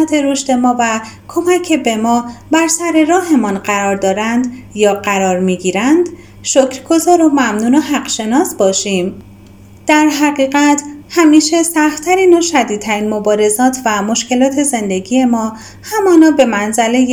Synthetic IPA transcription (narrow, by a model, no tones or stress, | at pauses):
t̪ʰe̞ɾoʃt̪e̞mɒːvækʰo̞mæcʰːe̞be̞mɒːbæɾsæɾe̞ɾɒːɦe̞mɒnɢæɾɒːɾd̪ɒːɾænd̪jɒːɢæɾɒːɾmiːɡiːɾænd̪ | ʃocʰɾɡo̞zɒːɾomæmnuːnoɦæɢʃe̞nɒːsbɒːʃiːm | d̪̥æɾɦæɣiːɣæt̪ʰhæmiːʃe̞sæxt̪t̪ʰæɾiːnoʃæd̪iːd̪̚t̪ʰæɾiːnmo̞bɒːɾe̞zɒːt̪ʰvæmo̞ʃce̞lɒːt̪ʰe̞ze̞nd̪e̞ɡije̞mɒː | hæmɒːnɒːbe̞mænzæle̞j